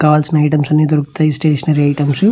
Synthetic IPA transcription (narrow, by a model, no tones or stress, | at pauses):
kaːlsnɐjʈɐmsɐnːiːd̪uɾukt̪ɐːjisʈeːʃɐnɐɾiɐjʈɐmsu